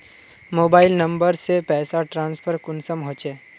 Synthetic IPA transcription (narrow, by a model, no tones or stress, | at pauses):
moːbaːɪlnɐ̃mbəɾsepɛːsaʈɾãːnspʰəɾkʊnsəmɦõːt͡ʃeː